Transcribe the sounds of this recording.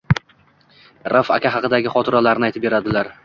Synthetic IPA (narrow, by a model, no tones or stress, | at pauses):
ɾafa̰kʲaɦɑqɨd̪aɡʲɪχɒt̪ʰɪɾalaɾnɪajt̪ɪp̚be̞ɾad̪ɪlaɾ